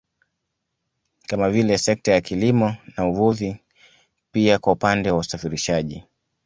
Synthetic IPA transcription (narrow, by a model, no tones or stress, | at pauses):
kamavilɛsɛk̚tajakilimɔnauvuði | piakwaupandɛwausafiɾiʃaʄi